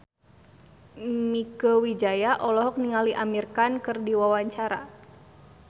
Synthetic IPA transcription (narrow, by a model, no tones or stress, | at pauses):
mikəwid͡ʒajaʔɔlɔɦɔk̚niŋaliʔamirkankɨrdiwawaɲt͡ʃaɾa̰